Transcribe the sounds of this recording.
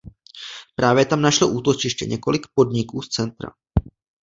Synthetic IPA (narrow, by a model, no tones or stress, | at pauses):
pɾaːvjɛt̪amnaʃloʔuːt̪ot͡ʃɪʃcɛ̰ɲɛko̞lɪkpo̞dɲɪkuːst͡sɛnt̪ɾa̰